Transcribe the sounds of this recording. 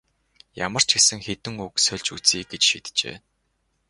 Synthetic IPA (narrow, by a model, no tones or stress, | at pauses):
ja̰mə̆r̥t͡ɕɡesɘ̆ŋxet̪ɘ̆ŋuksœɮʲt͡ɕut͡siːkɡet͡ɕʃḭːt̪t͡ɕḛː